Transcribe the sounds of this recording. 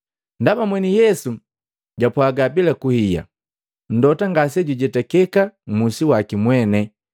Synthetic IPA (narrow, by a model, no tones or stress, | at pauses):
ndamamwɛnijɛsu | ɟapwaɡabilakuhija̰ | n̩dɔtaŋɡas̬ɛɟuɟɛtɛkɛkam̩musiwakimwɛnɛ